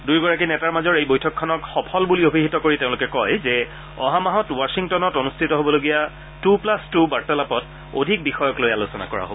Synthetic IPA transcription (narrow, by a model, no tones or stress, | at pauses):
dujɡɔɹak̬inɛtaɹmazɔɹejbojtʰɔkʰːɔnɔkxɔpʰɔlbuliobʱiɦitɔkoɹitẽʊ̃lʊkɛkɔjzɛ | ɔ̰ɦamaɦɔtwasiŋtɔnɔtonustʰitɔɦobɔloɡija | tuplastubaɹtɛlapɔt | o̰dʱik̚bixɔjɔklojalusɔna̰kɔɹa̰ɦo̰b